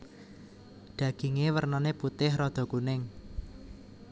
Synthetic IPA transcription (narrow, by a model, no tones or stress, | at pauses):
ɖ̪̥ä̤ɡ̥i̤ŋewərnɔneput̪ɪhrɔd̪̥ɔ̤kunɪŋ